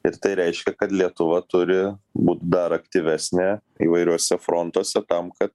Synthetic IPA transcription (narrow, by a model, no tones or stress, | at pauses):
ɪɾt̪ɐɪɾʲɛɪʃʲkʲɛkɐt̪lʲiɛt̪ʊʋɐt̪ʊɾʲɪbuːt̪ʲd̪ɐɾɐkt̪ʲiʋʲæːsʲnʲɛ | ḭːʋɐɪɾʲuɔsʲɛfɾont̪uɔsʲɛt̪ɐmkɐt̪